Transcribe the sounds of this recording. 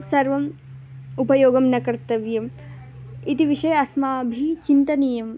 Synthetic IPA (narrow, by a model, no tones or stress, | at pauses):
sɐɾʋɐm | upɐjoːɡɐmnɐkɐɾt̪ɐʋjɐm | it̪iʋiʂɐjɐɐsmaːbʱit͡ʃint̪ɐniːjɐm